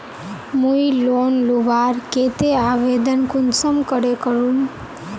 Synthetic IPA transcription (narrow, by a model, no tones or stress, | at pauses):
mujilonluʋaɾket̪eaʋed̪ənkunsəmkəɾekəɾun